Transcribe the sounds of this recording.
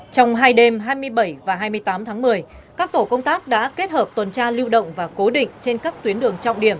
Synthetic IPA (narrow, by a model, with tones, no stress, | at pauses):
t͡ɕɔ˧wŋ͡mɦaː˧jɗe˧mɦaː˧jmɨ˧əjɓə˧˩jvaː˨˩ɦaː˧jmɨ˧əjt̪aː˨˦mt̪ʰaː˨˦ŋmɨ˨˩əjkaː˦˥k̚t̪o˧˩kə˧wŋ͡mt̪aː˦˥k̚ɗa̰ː˧˥ke˦˥t̚həː˨˩p̚t̪wə˨˩nt͡ɕaː˧li˧wɗə̰˧˨wŋ͡mvaː˨˩ko˨˦ɗḭ˧˨ŋ̟t͡ɕe˧nkaː˦˥k̚t̪wi˨˦ənɗɨ˨˩əŋt͡ɕɔ̰˧˨wŋ͡mɗi˧˩əm